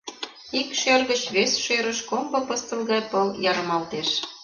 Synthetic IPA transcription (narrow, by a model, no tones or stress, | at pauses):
ikʃørɣə̆t͡ɕβesʃøɾə̆ʃkombɤ̆pɤ̆st̪əlɣɑjpɤljɑɾə̆mɑlt̪eʃ